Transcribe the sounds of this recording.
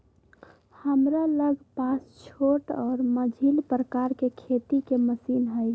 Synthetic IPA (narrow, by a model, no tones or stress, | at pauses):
həmɾaləɡʱpaːst͡ʃʰoːʈɔːɾməd͡ʒʱilpɾəkaɾkekʰet̪ikeməsiːnɦəɪ